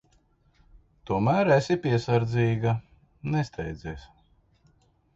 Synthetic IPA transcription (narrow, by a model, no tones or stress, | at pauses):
t̪uɔmæːɾæsʲipʲiɛsaɾd̪zʲiːɡa | nɛst̪ʰɛjd̪zʲɛːs